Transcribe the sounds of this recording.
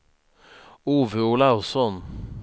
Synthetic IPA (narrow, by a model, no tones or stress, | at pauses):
uːʋəuːlaʊsɔn